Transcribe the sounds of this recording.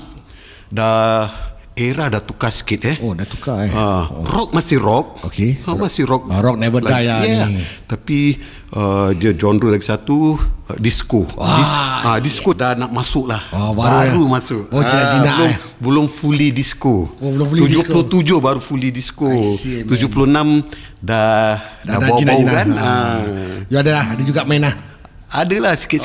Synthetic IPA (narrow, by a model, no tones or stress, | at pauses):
da | eɾadat̪ukasə̥kɪt̪̚ɛhodat̪ukaarɔk̚masɪhrɔk̚okeəmasɪrɔk̚ɾɔk̚nabəladajajat̪api | ədiad͡ʒɔnɾulaɡisat̪udiskoisadiskodanaʔmasʊʔlahɔbaɾuaɾumasʊʔad͡ʒinad͡ʒibnaəlʊm | bəlʊmfulidiskolfud͡ʒolot̪ud͡ʒʊhbaɾufulidiskoud͡ʒʊpuloənam | daddabanbaawkanə | juadalahadad͡ʒuɡaʔmaɛna | adəlahsi̥kɪʔ